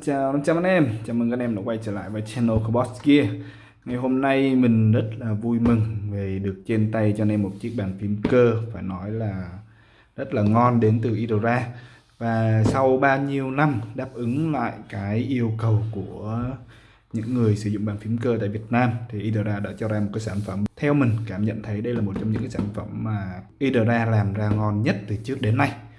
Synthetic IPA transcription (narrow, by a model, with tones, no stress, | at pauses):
t͡ɕaː˧˦t͡ɕaː˧wʔa˧nɛ˧mt͡ɕaː˨˩m˨˩ŋkaː˨˧˥ʔɛ˧mnɔ˧˦kwa˧jt͡ɕəː˧˩la̰ː˧˨jvəː˨˦jt͡ɕɛ˧no˧kʰo˧ɓɔ˦˥ski˧ə | ŋa˨˩jɦo˧mna˧jmï˨˩ŋ̟zə˦˥t̚laː˨˩vu˧jmɨ˨˩ŋve˨˩ɗɨ˨˩ək̚t͡ɕe˧nt̪a˧jt͡ɕɔ˧ne˧mːo˨˩t̚t͡ɕi˦˥ək̚ɓaː˨˩nfi˨˦əmkəː˧faː˧˩jnɔ˨˦jlaː˨˩ | zə˦˥t̚laː˨˩ŋɔ˧nɗe˨˦nt̪ɨ˨˩ʔi˧ɗo˨˩zaː˧ | vaː˨˩sa˧wɓaː˧wɲi˧əwna˧mɗaː˦˥p̚ʔɨ˨˦ŋla̰ː˧˨jkaː˨˦jʔi˧əwkə˨˩wku˧˩ə | ɲɨ̰˧˥ŋːɨ˨˩əjsɨ˧˩zʊ̰˧˨ŋ͡mɓaː˨˩nfi˨˦əmkəː˧t̪a̰ː˧˨jvi˨˩ət̚naː˧mt̪ʰi˨˩ʔi˧ɗo˨˩zaː˧ɗa̰ː˧˥t͡ɕɔ˧zaː˧mo˨˩t̚kːaː˨˦jsaː˧˩nfə˧˩mt̪ʰɛ˧wmï˨˩ŋ̟kaː˧˩mɲə̰˧˨nt̪ʰə˨˦jɗə˧jlaː˨˩mo˨˩t̚t͡ɕɔ˧wŋ͡mɲɨ̰˧˥kaː˨˦jsaː˧˩nfə˧˩mːaː˨˩ʔi˧ɗo˨˧˩zaː˧laː˨˩mzaː˧ŋɔ˧nɲə˦˥t̚t̪ɨ˨˩t͡ɕɨ˦˥ək̚ɗe˨˦nːa˧j